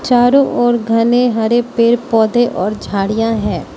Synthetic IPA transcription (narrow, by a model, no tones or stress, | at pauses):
t͡ʃaːɾõʔɔːɾɡʱɐneɦɐɾepeːɾpɔːd̪eʔɔːɾd͡ʒʱaːɽijãɦɛ̃ː